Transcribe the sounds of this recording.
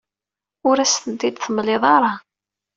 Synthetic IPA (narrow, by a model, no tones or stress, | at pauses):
ʊɾæst̪ənt̪id̪θəmlɪðˤɑɾˤɑ